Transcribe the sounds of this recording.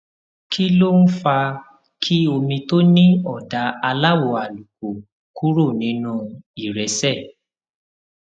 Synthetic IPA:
kʰi˦lo˦n̩˦fa˧ | kʰi˦o˧mĩ˧to˦nĩ˦ɔ˦˨da˨˦a˧la˦˨wo˨˧˨a˨lu˨k̚o˨ | ku˦ɾo˦˨nĩ˨˦nũ˦i˨ɾɛ˨˦sɛ˦˨

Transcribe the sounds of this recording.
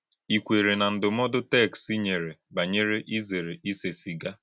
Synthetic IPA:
i˨kʷe˨ɾe˨na˨n̩˦dʊ˨mɔ˦dʊ˦tɛ˦˨ksi˦ɲe˨ɾe˨ba˨ɲe˦ɾe˦ʔi˦ze˨ɾe˨i˦se˨si˨ɡa˦

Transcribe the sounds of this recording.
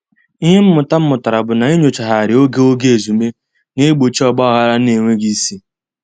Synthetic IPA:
i˦ɦe˦m̩˦mʊ˨ta˦m̩˦mʊ˨ta˨ɾa˨bʊ˨na˨i˦ɲo˨t͡ʃa˨ɦa˨ɾɪ˨o˦ɡe˦o˦ɡe˦e˨zu˨me˦ | ne˦ɡ͡bo˨t͡ʃi˦ɔ˨ɡ͡bɔ˦ɔ˦ɣa˦ɾa˦ne˨ŋʷe˦ɡi˦si˦

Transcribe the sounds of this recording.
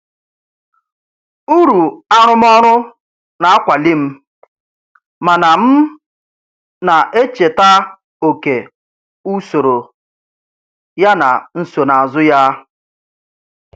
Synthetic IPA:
u˦ɾu˨a˦ɾ̃ʊ˦m˦ɔ˦ɾʊ˦ | na˨a˦kʷa˨li˦m̩˦ | ma˨na˨m̩˦ | na˨ʔe˦t͡ʃe˨ta˦ | o˨ke˨ | u˦so˨ɾo˨ | ja˦na̰˨n̩˦so˨na˨a˨zʊ˦ja˦

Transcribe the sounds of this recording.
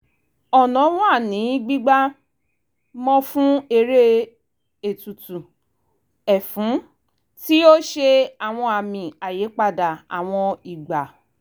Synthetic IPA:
ɔ˨nã˨˦wɔ̃˦a˦˨nĩ˨˦ɡ͡bi˦ɡ͡ba˦ | mɔ̃˦fũ˦e˧ɾe˦ | e˨tu˨tu˨ | ɛ˨fũ˨˦ | ti˦o˦ʃe˧a˨w̃ɔ̃˧a˧˨mĩ˨a˨je˨˦k͡pa˧˨da˨a̰˨w̃ɔ̃˧i˨ɡ͡ba˨

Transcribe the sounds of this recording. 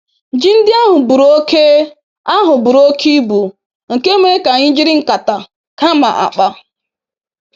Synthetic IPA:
d͡ʒi˦n̩˦dɪ˦a˦ɦʊ˨bu˨ɾo˦kʰe˦ | a˦ɦʊ˨bʊ˨ɾo˦kʰi˦bu˨ | ŋ̩˨ke˦m˦e˦ka˨ɲɪ˦d͡ʒɪ˦ɾɪ˦ŋ̩˨ka˨ta˨ | ka˦ma̰˨ʔa̰˨k͡pa˦

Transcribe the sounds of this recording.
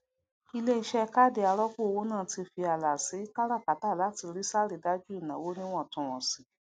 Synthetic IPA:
i˧le˦˧˦ʃɛ˦˧˦ka˦˨de˨a˧ɾɔ˦ku˦o˧wo˦nãː˦˨ti˧fi˧a˨la˨si˨˦i˦ka˦ɾa˦˨ka˨taː˦˨la˨˦ti˧ɾi˦sa˦ɾi˨da˦d͡ʒu˦i˦˨nã˨wo˨˦nĩ˦w̃ɔ̃˦˨tũ˨w̃ɔ̃˨si˨

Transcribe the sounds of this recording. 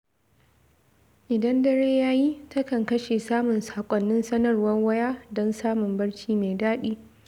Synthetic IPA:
ʔɪ˨dɐ˦ndɐ˦ɽeː˦jaː˦ji˦tɐ˦kɐ˨ŋkɐ˦ʃeː˨saː˦mʊ˨nsḁː˨kʷʼɔ˨nːɪ˦nsɐ˦nɐ˨rwɐ˦rwɐ˦jaː˦dɔ˦nsaː˦mʊ˨mbɐ˦ɽt͡ʃiː˦me˨daː˦ɗiː˦

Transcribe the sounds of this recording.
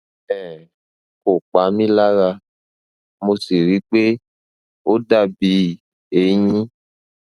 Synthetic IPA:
ɛ˦˨ | ko˨k͡pa˨˦mĩ˦la˦ɾa˧ | mo˧si˨ɾi˨˦k͡pe˦ | o˦da˦˨bi˧˦ | e˨˦ɲĩ˦

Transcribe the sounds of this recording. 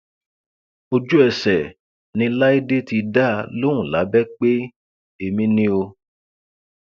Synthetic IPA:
o˧d͡ʒu˦ɛ˧sɛ˨ | nĩ˧la˦i˦de˦ti˧da˦˧lõ˦ũ˨la˨˦bɛ˦k͡pe˦ | e˧mĩ˧˦nĩ˦o˧

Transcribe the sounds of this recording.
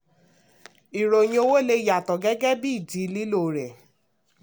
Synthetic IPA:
i˨ɾo˨j̃ĩ˧o˧˦wo˦le˧ja˨tɔ˨ɡɛ˦ɡɛ˦bi˦i˦˨d͡ʒi˨˦li˦lo˦˨ɾɛ˨

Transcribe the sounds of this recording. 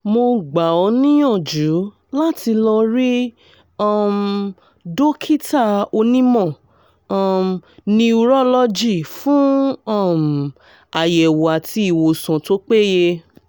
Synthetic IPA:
mo˧ɡ͡ba˨ɔ˧nĩ˦jɔ̃˦˨d͡ʒu˨˦ | la˦ti˧lɔ˧ɾi˦ | ɔ˦˨m | do˦kʰi˦ta˦˨o˧nĩ˦mɔ̃˦˨˦ | mnĩ˧u˧ɾɔ˦lɔ˦d͡ʒi˦˨fũ˦ɔ˦˨m | a˨jɛ˨wo˨a˨tʰi˧˦i˦˨wo˨sã˨to˦k͡pe˦je˧

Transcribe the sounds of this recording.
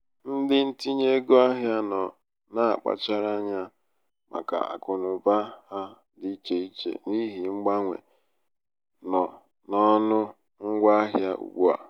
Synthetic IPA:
n̩˦dɪ˦n̩˦ti˦ɲe˦ɡo˦a˦ɦja˦nɔ˨ | na˦a˨k͡pa̰˦t͡ʃa˦ɾa˦ɲa˦ | mʔa̰˨ka̰˨a̰˨kʊ˨nʊ˨ba˦ha˦ | di˦t͡ʃe˨i˦t͡ʃḛ˦˨ni˦ɦi˨ŋ͡m̩˦ɡ͡ba˦ŋʷḛ˨ | nɔ˨ | nɔ˦nʊ˦ | ŋ̩˦ɡʷa˦ɦja˦ṵ˨ɡ͡bu˦a̰˨

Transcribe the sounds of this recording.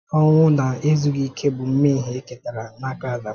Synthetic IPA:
ɔ˦ŋʷʊ˦na˨e˦zu˦ɡi˦kʰe˦bʊ˨m̩˦me˦ɦi˨e˦ke˨ta˨ɾa˨na˦ka˨za˨˦

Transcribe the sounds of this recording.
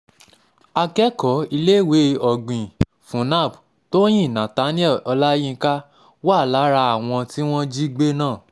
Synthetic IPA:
a˧kɛ˦kɔ˨˦i˧le˦we˨˦ɔ˧˨ɡ͡bĩ˨ | fũ˨˦nã˦˨b | to˦j̃ĩ˦˨nã˨ta˨˦ni˦ɛ˦˨ɔ˧la˦jĩ˦ka˦ | wa˦˨la˨˦ɾa˧a˨w̃ɔ̃˧ti˦w̃ɔ̃˦d͡ʒi˦ɡ͡be˦nãː˦˨

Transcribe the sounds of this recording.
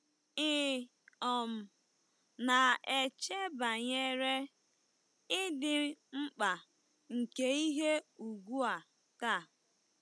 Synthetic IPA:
ɪ˦ | ɔ˨m̩˨ | na˨e˨t͡ʃe˦ba˨ɲe˦ɾe˦ | ɪ˦dɪ˨ŋ͡m̩˦k͡pa˨ | ŋ̩˨ke˦i˦ɦe˦u˨ɡʷu˦a˨ | ta˦˨

